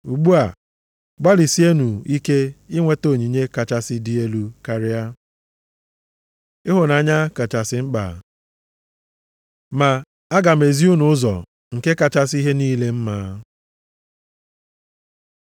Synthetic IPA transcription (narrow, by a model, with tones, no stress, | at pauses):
u˨ɡ͡bu˦a˨ | ɡ͡ba˦li˨si˦e˦nu˨i˦ke˦ɪ˦ŋʷe˦to˨ɲi˨ɲe˦ka˨t͡ʃa˦sɪ˦di˦e˦lu˨ka˨ɾɪ˦a˦ | ɪ˦ɦʊ˨na˨a˨˦ɲa˦ka˨t͡ʃa˨sɪ˨˦ŋ͡m̩˦k͡pa̰˨ | ma˨ | a˦ɡa˨me˨zi˦u˦nʊ˨ʊ˦zɔ̰˨ | ŋ̩˨ke˦ka˨t͡ʃa˦s̬i˦ɦe˦niː˦le˦m̩˦maː˨˦